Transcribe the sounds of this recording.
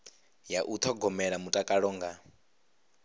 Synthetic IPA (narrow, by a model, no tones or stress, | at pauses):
jaʔut̪ʰɔɡɔmɛɺamutʼakʼaɺɔŋɡa